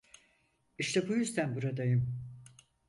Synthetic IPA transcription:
iʃt̪ʰɛbujyzd̪ænbuɾad̪ajɯm

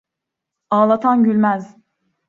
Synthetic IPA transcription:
aːlˠat̪ʰanɟylʲmæz

